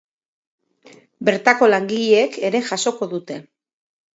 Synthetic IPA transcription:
be̞ɾt̪ako̞laŋɡiʎeeke̞ɾe̞ʝaso̞ko̞ðut̪e̞

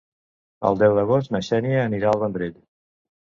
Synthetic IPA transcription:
ə̰lˠd̪ɛwðəɣ̞ost̪nəʃɛniəːniɾaəlˠβənd̪ɾet̪

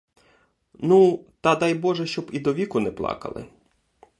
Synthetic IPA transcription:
nut̪ɑd̪ɑjbɔʒɛʃt͡ʃɔbid̪ɔʋʲikʊnɛplˠɑ̰kɐ̰lˠɪ̰

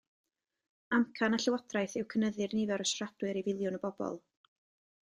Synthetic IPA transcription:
amkʰanaɬəwɔdrajθɪwkʰənəðɨrnɪvɛɾəstrad̥wɨɾivɪlˠjʊnəbɔbɔ̰lˠ

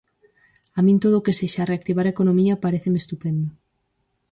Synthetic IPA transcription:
amĩnt̪oð̞okeseʃareak̚t̪iβaɾaekonõmiapaɾeθemest̪upend̪o

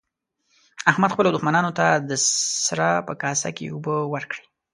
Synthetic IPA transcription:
ahmad̪xpəlod̪ʊxmanɑnot̪ad̪əssɾapəkɑsa̰kḛubəwəɾkɽi

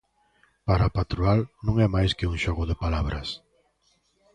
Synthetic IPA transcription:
paɾapat̪ɾualnũŋɛmajskɪuŋʃɔɣʊðɪpalaβɾɐ̰s

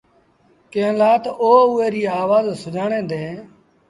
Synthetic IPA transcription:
kẽːlaːt̪oːʊʋeːɾiːaːʋaːzsʊd͡ʒaːɳẽːd̪ẽː

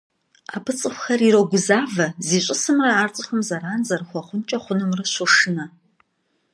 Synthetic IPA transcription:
a̰ːpʰɨt͡sʼɨxʷʊxɐriɾɐwɡʷʊzaːvɐziːɕʼɪsɨmrɐaːrt͡sʼɐxɐmzɐɾaːnzɐrɨxʷɔχʷʊnt͡ʃʼɐχʷʊnɨmrɐɕʷʊʂɨnɐ

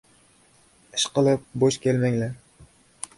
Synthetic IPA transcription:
ɨʃqəlˠɨp̚boʃkʲelmæŋlæ

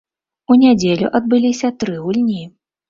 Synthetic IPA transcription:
unʲad͡zʲelʲṵʔɐd̪̚bɨlʲisʲɐt̪ɾɨɣulʲnʲi

